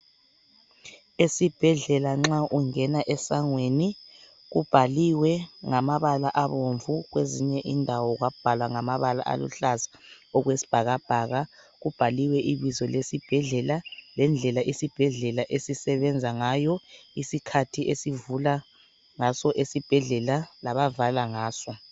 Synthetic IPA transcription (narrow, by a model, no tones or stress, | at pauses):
esib̥ʱɛɮɛlaŋ͡ǁaʔuŋɛnaʔɛsaŋweni | ɣub̥ʱaliwɛŋamaβalaʔaβoɱvuɣweziɲɛʔindʱawɔɣwab̥ʱalwaŋamaβala̰ʔa̰lṵɬazḁ | ɔɣwesi̥b̥ʱaɣab̥ʱaɣa | ɣub̥ʱaliwɛʔiβizɔlesib̥ʱɛɮɛlalɛnd͡ɮʱɛlaʔisib̥ʱɛɮɛlaʔesisɛβɛnd͡zʱaŋaːjɔisikʰatʰiesivula | ŋasɔʔesib̥ʱɛɮɛlalaβavalaŋaːsɔ